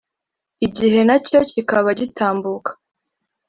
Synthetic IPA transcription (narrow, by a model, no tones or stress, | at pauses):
iɟiɦe̞naco̞cikaβaɟitʰaːmbukḁ